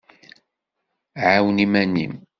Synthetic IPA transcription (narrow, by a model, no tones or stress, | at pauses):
ʕawnimænḭm